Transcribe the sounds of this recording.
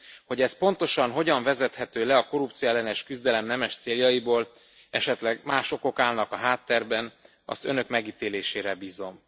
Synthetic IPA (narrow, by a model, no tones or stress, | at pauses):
ho̞ɟɛspo̞nt̪o̞ʃɒnɦo̞ɟɒɱvɛzɛt̪hɛt̪øːlɛɒkoɾupt̪sijoɛlːɛnɛʃkyzd̪ɛlɛmnɛmɛʃt̪seːljɒjiboːl | ɛ̰ʃɛt̪lɛɡmaːʃo̞ko̞kaːlnɒkɒɦaːt̪ːɛrbɛn | ɒ̰st̪ø̞̰nø̞kmɛɡiːt̪eːleːʃeːɾɛbiːzo̞m